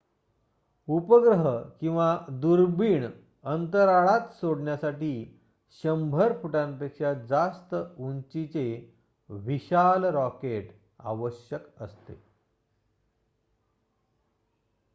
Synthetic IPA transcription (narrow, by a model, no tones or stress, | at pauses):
upəɡɾəɦkĩw̃ʋad̪uɾbiːɳ | ənt̪əɾaɭat̪soɽɳjasaʈiː | ɕəmbʱəɾpʰuʈãnpekɕad͡zast̪əunt͡ɕit͡se | ʋiɕalɾɔkeʈ | a̰ʋəɕjəkə̰st̪ḛ